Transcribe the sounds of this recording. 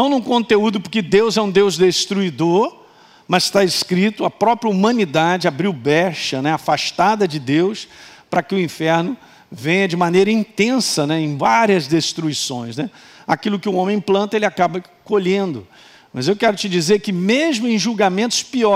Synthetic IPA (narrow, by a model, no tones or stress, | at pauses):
nɐ̃w̃nũkõnt̪eud̪ʊpʊɾkɪd̪ewzɛũd̪ewzd̪est̪ɾuid̪oɾ | mɐzʃst̪aɪskɾit̪ʊɐpɾɔpɾjɐumɐ̃nid̪ad͡ʒɪabɾiwbɛʃɐnɛafaʃt̪ad̪ɐd͡ʒɪd̪ewspɾɐkɪʊĩfɛɾnʊ | vẽjɐd͡ʒɪmanejɾɐĩnt̪ẽsɐnɛẽj̃vaɾiɐzd̪est̪ɾuisõ̰j̃snɛ | akilʊkɪʊõmẽj̃plɐ̃nt̪ɐelɪakabɐ | koʎẽnd̪ʊ | mɐzewkɛɾʊt͡ʃɪd͡ʒizeɾkɪmezmʊẽj̃ʒuwɡamẽnt̪ʊ̥spiɔ